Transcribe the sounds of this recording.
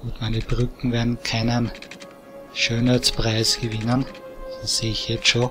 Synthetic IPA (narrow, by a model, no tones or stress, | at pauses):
ɡ̥uːtmæɪnəb̥ʁʏkŋ̩veɐdn̩kʰaɪnən | ʃøːnhæt͡spʁaɪsɡ̥əvɪnənd̥asseːɪçjɛt͡sʃoː